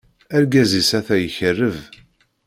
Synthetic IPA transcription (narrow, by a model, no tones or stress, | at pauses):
æɾɡæzisæθæjəçərːəv